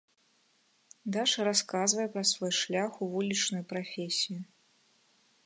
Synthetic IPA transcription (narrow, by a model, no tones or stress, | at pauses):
d̪aʂɐɾaskazvɐjɛpɾɐsvɔjʂlʲaxuvulʲit͡ʂnʊjupɾafʲesʲiju